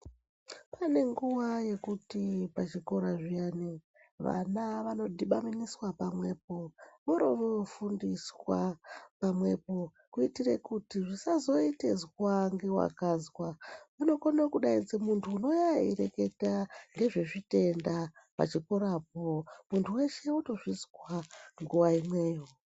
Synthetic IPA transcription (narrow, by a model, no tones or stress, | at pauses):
pane̞ŋɡuwaje̞kutipat͡ʃiko̞ɾaʐiane | ʋa̰naʋano̞dʱiɓaminiswapamwe̞p̚o̞moɾoʋefundiswapamwe̞po̞ | kuitire̞kutiʐisazo̞ite̞zwaŋɡe̞wa̰kazwamuno̞konakuɗaid͡zimuntʰuːno̞jaḭɾe̞ke̞taŋɡe̞ʐe̞ʐite̞ndapa̰t͡ʃikoɾap̚omuntʰuwe̞ʃe̞uto̞ʐizwaŋɡuʋaimwe̞ːjo